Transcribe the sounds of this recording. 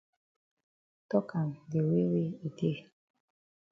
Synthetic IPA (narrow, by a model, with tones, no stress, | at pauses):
tɔ˦kʰã˨nde˨we˦we˦i˨de˦˨